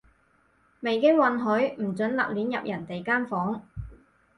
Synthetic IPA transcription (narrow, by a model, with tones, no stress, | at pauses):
me˨jkɪ˥ŋwɐ˨nɦɵ˨˥ɥm̩˨˩t͡sɵ˨˥nlɐ̰˨k̚liː˨˥njɐ̰˨p̚jʔɐ˨˩nt̪e˨jkaː˥nfɔː˨˥ŋ